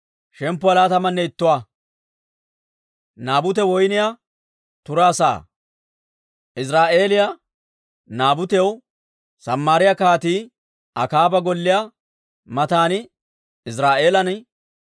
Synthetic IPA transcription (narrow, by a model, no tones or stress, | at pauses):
ʃɛmpːʊɐlaːt̪ɐmɐnːɛɪt̪ːʊwa | naːbʊt̪̬ɛwɔjnɪja | t̪ʊɾaːsa̰ː | ʔɪs̬ɾaːʔe̞ːlɪja | naːbʊt̪ɛw | sɐmːaːɾɪjakaːt̪iː | ʔɐkaːbɐɡɔlːɪja | mɐt̪aːnɪ | ɪs̬ɾaːʔe̞ːlɐn